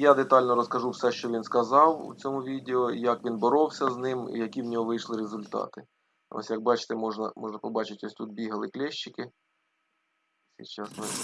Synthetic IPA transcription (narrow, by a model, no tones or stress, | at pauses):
jad̪et̪ɑlʲnɔɾɔskɐʒuwsɛʃt͡ʃɔʋʲinskɐzɑwṵt͡sʲɔmʊʋʲid̪ʲeɔjɐkʋʲinbɔɾɔwsʲɐznɪm̰jɐkʲiwnʲɔɦɔʋɪjʃlˠɪɾezʊlʲt̪ɑ̰t̪ɪ | ɔ̰sʲjɐk̚bɑt͡ʃɪ̥t̪ɛmɔʒnɐmɔʒnɐpɔbɑt͡ʃɪtʲɔsʲt̪ut̪̚bʲiɦɐlˠɪklʲɛʃt͡ʃːɪkɪ | sʲit͡ʃasnɔ